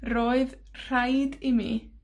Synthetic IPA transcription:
roːɨð | r̥ajdimḭː

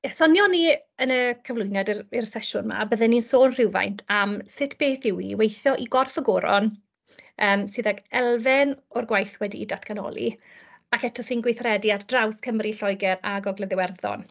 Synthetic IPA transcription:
jɛsɔnjɔni | ənəkʰəvlˠʊjnɛdɪrsɛʃʊnma̰bəðɛninsoːnr̥ɪwva̰jntʰamsɪtʰb̥eːθɪwḭwejθjɔʔiɡɔrfəɡoːɾɔ̰n | əːmsɪðaɡɛlˠvɪnɔrɡwajθwɛdiːdatʰkʰanɔ̰lˠḭ | akɛtʰɔsinɡwɪθrɛdiatdrawskʰəmriɬɔjɡɛɾaɡɔɡlɛðɪwɛrðɔ̰n

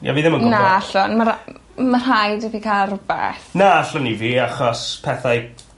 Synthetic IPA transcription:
ja̰viːðɛməɡnaaɬɔnma | mar̥ajdəvikʰalˠrʊbɛ̰θnaaɬɔniviːaχɔspʰɛθaj

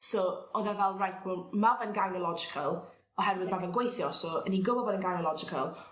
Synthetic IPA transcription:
sɔɔðɛvɛlˠrajtʰbɔmavənɡanɔlˠɔd͡ʒɪkʰəlˠ | ɔɦɛɾwɪðmavənɡwejθjɔsɔəniɡʊvɔbɔdənɡanɔlˠɔd͡ʒɪkʰə̰lˠ

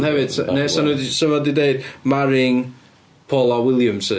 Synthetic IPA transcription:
nhɛvɪd̥snɛsanədsəvadɪdeɨd̚maɾɪŋ | pʰɔlˠawɪlˠjəmsə

